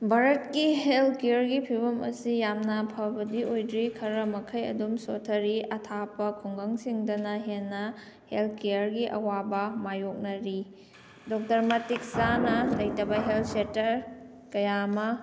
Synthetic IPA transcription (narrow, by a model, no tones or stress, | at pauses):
bʱaɾɐt̚kiɦelkejɐɾɡipʰiβɐmɐ̰sijamnɐpʰɐbɐdiojdɾikʰɐɾɐmɐkʰɐjɐ̰dumsotʰɐɾiɐtʰapɐkʰoŋɡɐŋsiŋdɐnɐɦenːɐ | helkejɐɾɡiʔɐ̰wabɐmajok̚nɐɾi | dok̚tɐɾmɐtik̚sanɐlɐjtɐbɐɦelʰsetɐɾ | kɐjamɐ